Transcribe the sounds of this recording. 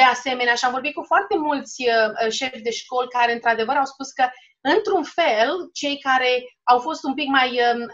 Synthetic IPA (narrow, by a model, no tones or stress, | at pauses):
ease̞me̞neaʃiamvo̞rbit̪̚kufoart̪e̞mult̪sʲəʃe̞fʲd̪e̞ʃko̞lkaɾe̞ɨnt̪ɾad̪e̞vəɾawspuskə | ɨnt̪ɾunfelt͡ʃe̞jkaɾe̞awfo̞st̪umpikmajə